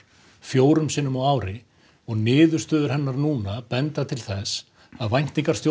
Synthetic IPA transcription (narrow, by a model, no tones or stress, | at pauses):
fjoːwɾʏmsɪːnʏmawaːwɾɪ | ɔɣnɪːðʏ̥st̪œːðʏɾ̥ɦɛnːaɾnuːnapɛnt̪at̪ʰɪlθɛs | aðvajn̥t̪iŋkaɾ̥st̪jo